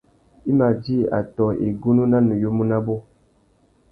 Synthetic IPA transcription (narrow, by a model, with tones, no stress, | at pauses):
i˦ma˨di˦a̰˨tɔ˨ḛ˨ɡu˦nu˦na˦nə˨jo˦mu˦na˦bo˦